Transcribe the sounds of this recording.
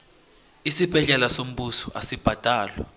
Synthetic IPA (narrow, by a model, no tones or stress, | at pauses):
isib̥ʱɛɮɛlasom̩ɓusɔʔasib̥ʱad̥ʱaːlwa